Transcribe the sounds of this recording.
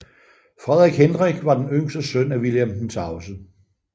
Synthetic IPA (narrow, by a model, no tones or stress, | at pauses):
fʁɛðˠʁiɡ̥henʁiɡ̥ʋɑ̈d̥enøŋ̰sd̥əsønæʋiljemn̩sɑ̈ʊsə